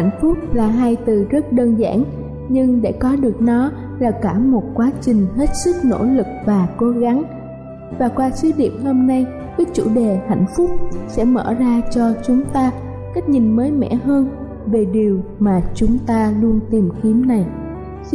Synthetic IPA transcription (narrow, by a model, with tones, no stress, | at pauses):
a˧˩jŋ̟fʊ˦˥k͡p̚laː˨˩ɦaː˧jt̪ɨ˨˩zə˦˥t̚ɗəː˧nza̰ː˧˥˨n | ɲɨ˧ŋɗḛ˧˩kɔ˨˦ɗɨ˨˩ək̚nɔ˨˦ | laː˨˩kaː˧˩mo˨˩t̚kwaː˨˦t͡ɕï˨˩ŋ̟ɦe˦˥t̚sɨ˦˥k̚no̰˧˥lɨ˨˩k̚vaː˨˩ko˨˦ɣa˨˦ŋ | vaː˨˩kwaː˧si˧˦ɗḭ˧˨əmhoː˧mna˧j | kəː˨˦t͡ɕṵ˧˩ɗe˨˩ha̰˧˩jŋ̟fʊ˦˥k͡p̚sɛ̰˧˥mə̰ː˧˩zaː˧t͡ɕɔ˧t͡ɕʊ˨˦ŋ͡mt̪aː˧ | ka˦˥k̚ɲi˨˩nməː˨˦jmɛ̰˧˥ɦəː˧n | ve˨˩ɗi˨˩əwmaː˨˩t͡ɕʊ˨˦ŋ͡mt̪aː˧lu˧ənt̪i˨˩mki˨˦əmna˨˩j